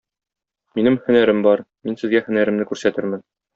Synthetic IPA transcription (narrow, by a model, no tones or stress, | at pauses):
minɘmhɵ̆næɾɘmbɒɾ | minsɘ̆zɡæhɵ̆næɾɘ̆mnɘkʉɾsæt̪ɘɾmɘn